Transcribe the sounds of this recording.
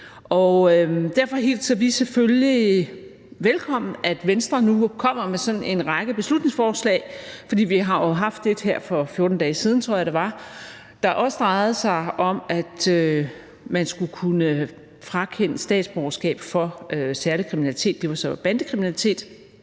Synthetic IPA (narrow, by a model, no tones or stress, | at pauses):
ʔɒ̽ød̥æɐfɒ̽ɦe̝̰ːld̥sɒʋisefølli | ʋelkʰɒ̽m̰n̩æd̥ʋensd̥ʁɐnukʰɒ̽m̰ɐmesɒ̽n̩e̝nʁɑ̈ɡ̥əb̥e̝slud̥ne̝ŋsfɒːslɛ̰ːɪfɒ̽d̥ḭːʋiɦɑ̈jo̝ɦɑ̈fd̥ːe̝d̥ɦeɐ̰fɒ̽fjo̝ɐd̥n̩d̥ɛːsiːð̞ˠn̩t͡sʰʁo̝ɐ̰jɑɾ̥eʋɑ̈ | d̥ɑ̈ʔɒ̽səd̥ʁɑ̈ɪð̩ˠəsɑ̈ɪɒ̽mæd̥ø | mænsɡ̥ukʰunə | fʁɑ̈kʰen̰əsd̥ɛ̰ːd̥sb̥ɒʊɐsɡ̥ɛ̰ːb̥fɒ̽øsæɐlikʰʁiminælit͡sʰe̝̰ːd̥ːe̝ʋɑ̈sɒb̥ænd̥əkʰʁiminælit͡sʰe̝̰ːd̥